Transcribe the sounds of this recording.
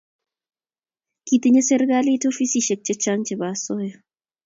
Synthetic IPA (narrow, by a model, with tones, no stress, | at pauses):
ki˨t̪i˦ɲe˦sɛ˦ɾka˦li˦to˦fi˦si˨ʃɛ˨k̚t͡ʃe˦t͡ʃa˦ŋt͡ʃɛ˨ba˨sɔ˦jɔ˨